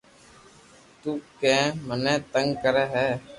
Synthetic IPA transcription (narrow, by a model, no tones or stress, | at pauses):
t̪uːkɛ̃ːmənɛ̃ːt̪əŋɡkəɾɛːɦɛː